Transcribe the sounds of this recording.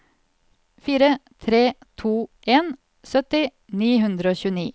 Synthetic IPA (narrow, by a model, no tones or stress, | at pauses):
fiːɾət̪ʰɾeːt̪ʰuːʔeːn | sœt̪ɪ | niːɦʉnd̪ɾəoːçʉːniː